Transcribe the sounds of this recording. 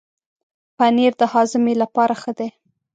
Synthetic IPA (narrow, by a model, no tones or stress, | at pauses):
paneɾd̪əhɑzɪmelapɑɾaxəd̪e